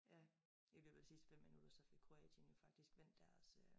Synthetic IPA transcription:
jæ | ji̥lib̥e̥sisd̥fem̰ːinud̥ɐsɒ̽fe̝ɡ̥̚kʰʁo̝ɛ̰ːdʰənjo̝fɑ̈ɡ̥d̥isɡ̥ʋen̰d̥æɐsø

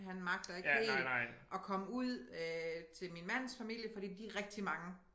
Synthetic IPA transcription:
ɦænmɑ̈ɡ̥d̥ɐe̝ɡḛːlʔɒ̽kʰɒ̽məuð̰ˠøt͡sʰe̝lminmæn̰sfæmil̰jəfɒ̽d̥ḭːd̥iʁɛɡ̥̚d̥imɑ̈ŋə

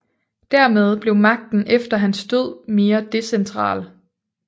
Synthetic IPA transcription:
d̥æɐ̰með̞ˠb̥le̝ʊmɑ̈ɡ̥̚d̥n̩ʔefd̥ɐɦænsd̥øð̞̰ˠme̝ːɐd̥e̝sent͡sʰʁɑ̰̈ːl

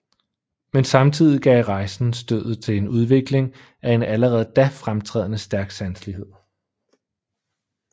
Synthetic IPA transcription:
mensɑ̈mt͡sʰið̞̰ˠiɡ̥ɛ̰ɪʁɑ̈ɪsn̩sd̥øð̰̩ˠt͡sʰe̝le̝nuð̞ˠʋe̝ɡ̥le̝ŋ | æe̝næləʁɛːð̞̩ˠd̥æfʁamt͡sʰʁɛ̰ðˠənəsd̥æɐɡ̥sænslihe̝ð̰ˠ

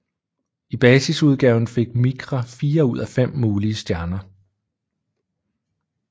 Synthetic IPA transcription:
ib̥ɛːsisuð̞ˠɡ̥ɛːʊn̩fe̝ɡ̥miɡ̥ʁɐfiːɐuð̞̰ˠæfem̰ːuːliəsd̥jæɐnɐ

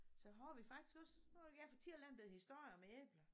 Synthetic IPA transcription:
sɒ̽ɦɒʋifɑ̈ɡ̥d̥i̥sɡ̥ɒ̽sneɡ̥æfɒt͡sʰiɐ̰lænb̥eð̩ˠhisd̥o̝ɐ̰jɐmeeːb̥lɐ

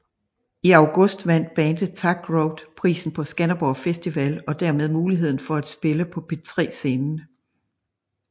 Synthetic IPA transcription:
iɑ̈ʊɡ̥ɔ̽sd̥ʋæn̰d̥̚b̥ɛːnd̥əðt͡sʰɑ̈ɡ̥ʁoʊd̥pʰʁḭːsn̩pʰɒ̽sɡ̥ænɐb̥ɒʊfesd̥iʋælɒ̽d̥æɐ̰með̞ˠmuːliɦe̝ð̞̰ˠn̩fɒ̽æd̥sb̥e̝ləpʰɒ̽pʰe̝t͡sʰʁɛ̰ːse̝ːnn̩

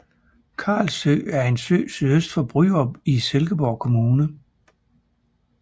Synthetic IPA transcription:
kʰɑ̰̈ːlsø̰ːæɐe̝nsø̰ːsyðˠøsd̥fɒ̽b̥ʁy̰ːɒ̽b̥iselɡ̥əb̥ɒʊ̰kʰo̝muːnə

